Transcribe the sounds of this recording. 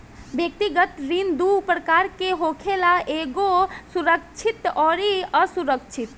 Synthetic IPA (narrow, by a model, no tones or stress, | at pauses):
bjək̚t̪iɡət̪ɾind̪upɾəkaɾkeɦokʰelaʔeɡosuɾək̚t͡ʃʰit̪ɔɾiəsuɾək̚t͡ʃʰit̪